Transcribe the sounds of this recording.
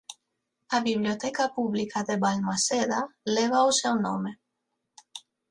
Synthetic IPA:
aβiβljot̪ɛkapuβlikaðeβalmaseðaleβausɛwnome

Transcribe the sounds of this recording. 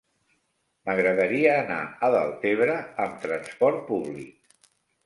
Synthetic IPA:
məɣɾəðəɾiəːna̰əðə̰lˠt̪eβɾəːmt̪ɾənspɔɾt̪̚puβlḭk̚

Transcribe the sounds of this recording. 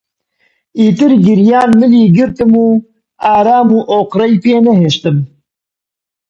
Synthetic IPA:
iːt̪ɨɾɡɨɾjaːnmɨliːɡɨɾt̪ɨmuː | aːɾaːmuːʔoːqɾɐjpeːnɛɦeːʃt̪ɨm

